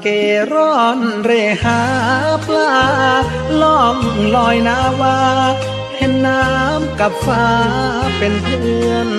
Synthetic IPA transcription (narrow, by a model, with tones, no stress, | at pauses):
keː˨˧˩ɾɔː˧˥˩nɾeː˧˩haː˧˦pʰlaː˧˩ | lɔ˧˩ŋlɔː˧˩jnaː˧˥waː˧ | hʰe˧˥˩nːaː˦˥˦mka˨˧˩p̚faː˧˩pe˨npʰɯɯ˧ən